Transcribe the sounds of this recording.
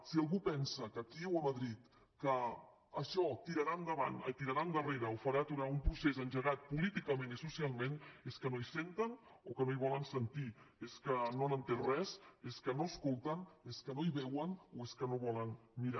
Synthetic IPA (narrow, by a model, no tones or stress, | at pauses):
sialˠɣupɛnsəkət̪iɛwəmaðɾit̪ | kəː | ʃɔt̪iɾaɾaəmɡ̪aβa̰nə̰t̪iɾaɾaːmɡəreɾəofaɾat̪uɾaumpɾusezənʒəɣat̪̚pulit̪ikəmenisusialˠmẽneskənoisent̪ən | okənoiβɔlənsənt̪ieskənonənt̪enrɛzeskənoəskolˠt̪əneskənoiβɛwənoeskənoβɔlənmiɾa